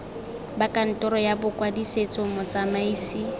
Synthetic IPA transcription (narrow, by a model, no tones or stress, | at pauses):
bakʼan̩tʼɔɾɔjabʊkʼwadiset͡sʼʊmɔt͡sʼamaiːsi